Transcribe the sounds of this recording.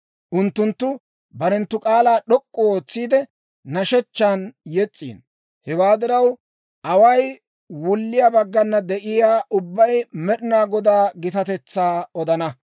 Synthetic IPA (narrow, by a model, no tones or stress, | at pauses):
ʔʊnt̪ːʊnt̪ːʊ | bɐɾɛnt̪ːʊkʼaːlaːɗɔkʼːɔoːt͡sːiːd̪ɛ | nɐʃɛt͡ʃːaːnjɛt͡sʼːḭːn | hɛwaːd̪ɪɾɐw | ʔɐwɐj | wʊlːɪjabɐɡːɐnːɐd̪ɛʔɪjaːʔʊbːɐjmɛɗɪnaːɡɔd̪aːɡɪt̪ɐt̪ɛt͡sːaːɔd̪ɐnɐ